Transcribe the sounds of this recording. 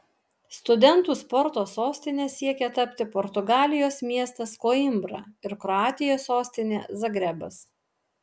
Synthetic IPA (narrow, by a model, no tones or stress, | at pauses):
st̪ʊd̪ʲɛnt̪uːspɔɾt̪oːsoːsʲt̪ʲɪnʲeːsʲiɛkʲɛt̪ɐpʲt̪ʲɪpɔɾt̪ʊɡɑːlʲɪjoːsmʲiɛst̪ɐskoːɪmbɾɐ̰ɪɾkɾɔɑːt̪ʲɪjoːsoːsʲt̪ʲɪnʲeːzɐɡɾʲɛbɐs